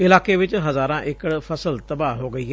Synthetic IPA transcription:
ɪlaːkeːʋɪt͡ʃɦəzaːɾãːʔɪkəɽpʰəsəlt̪əbaːɦoːɡəiːɦɛː

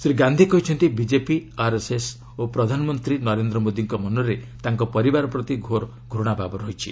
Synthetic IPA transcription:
sɾiɡand̪ʱikɔɦit͡ʃʰɔnt̪ibid͡ʒepiaɾeses | opɾɔd̪ʱanɔmɔnt̪ɾinɔɾend̪ɾɔmod̪iŋkɔmɔnɔɾet̪aŋkɔpɔɾibaɾɔpɾɔt̪iɡʱoɾ | ɡʱɾuɽ̃ababɔɾɔɦit͡ʃʰḭ

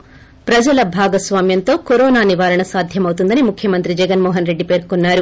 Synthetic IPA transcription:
pɾɐd͡ʒɐlɐbʱaːɡɐsʋaːmjɐnt̪oːkɔɾoːnaːniʋaːɾɐɳɐsaːd̪ʱjɐmɐʋt̪und̪ɐnimukʰjɐmɐnt̪ɾid͡ʒɛɡɐnmɔːɦɐnɾe̞ɖːipeːɾkonːaːɾu

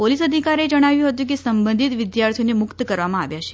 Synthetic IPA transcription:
polisəd̪ʱikaɾed͡ʒəɽ̃aʋjũɦət̪̬jũk̬esəmbənd̪ʱit̪ʋid̪jaɾt̪ʰijonemʊkt̪kəɾʋamãa̰ʋjaʃe̥

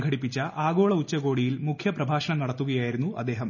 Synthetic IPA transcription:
ŋɡʱɐɽipːit͡ɕːɐʔaːɡo̞ːɭɐut͡ɕːɐɣo̞ːɽijilmukʰjɐprɐbʱaːʂɐɳɐmnɐɽɐt̪ːuɣɐjaːjiɾunːuʔɐ̰d̪ːe̞ːɦɐm

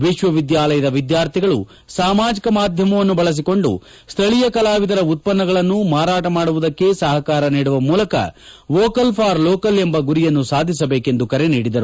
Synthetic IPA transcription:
ʋiʃʋɐʋid̪jaːlɐjɐd̪ɐʋid̪jaːɾt̪ʰiɡɐɭu | saːmaːd͡ʒikɐmaːd̪ʱjɐmɐʋɐnːubɐɭɐs̬iko̞ɳɖṵ | st̪ʰɐɭijɐkɐlaːʋid̪ɐɾɐut̪̚pɐnːɐɡɐɭɐnːumaːɾaːʈɐmaːɽuʋud̪ɐkːe̞sɐɦɐkaːɾɐniːɽuʋɐmuːlɐkɐ̰ʋoːkɐlpʰaːɾloːkɐlembɐɡuɾijɐnːusaːd̪ʱis̬ɐbe̞ːke̞nd̪ukɐɾe̞niːɽid̪ɐɾu

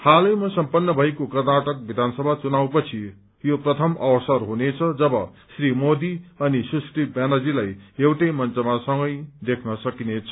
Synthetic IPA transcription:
halʌjmʌsʌmpʌnːʌbʱʌekokʌrnaʈʌk̚bid̪ʱansʌbʱat͡sunawpʌt͡sʰi | joprʌt̪ʰʌmʌwsʌrɦunet͡sʰʌd͡zʌbʌ | srimod̪iʌnisusʈibjanad͡zilajewʈʌjmʌnt͡sʌmasʌŋɡʌjd̪ekʰnʌsʌkinet͡sʰʌ

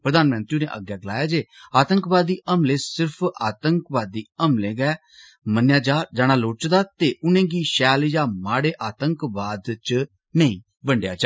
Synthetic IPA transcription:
pɾəd̪aːnmə̃nt̪ɾiːnḛːʔə̰ɡjaːɡəlaːjaːd͡ʒeːaːt̪əŋkbaːd̪ːiːʔəmleːsɪɾpʰaːt̪əŋkʋaːd̪ːiːəmlẽːɡɛː | mənjaːd͡ʒaːd͡ʒaːɽ̃aːloːt͡ʃd̪aːt̪eːʔʊnẽːɡiːʃɛːljaːmaːɽeːʔaːt̪əŋkʋaːd̪t͡ʃ | nəĩː | bəɳɖja̰ːd͡ʒaː

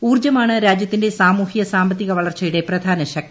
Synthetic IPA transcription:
uːrd͡ʑɐmaːɳɨɾaːd͡ʑjɐt̪ːinde̞saːmuːhiɣɐsaːmbɐt̪̬ːiɣɐʋɐɭɐrt͡ɕːɐjuɽe̞prɐd̪ʱaːnɐɕɐk̚

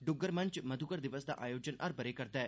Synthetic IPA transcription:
ɖuɡəɾmənt͡ʃməd̪ʱukəɾd̪iʋəsd̪a̰ʔajod͡ʑənʔɐɾpəɾekəɾt̪ɛ

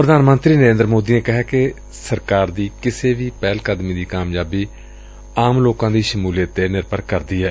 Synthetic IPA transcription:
pɾəd̪aːnmənt̪ɾiːnəɾẽːnd̪əɾmoːd̪iːneːkɪɦɛːkɪ | səɾkaːɾd̪iːkɪseːʋiːpɛːlkəd̪miːd̪iːkaːmjaːbiː | aːmloːkãːd̪iːʃəmuːlijət̪ːeːnɪɾpəɾkəɾd̪iːɦɛː

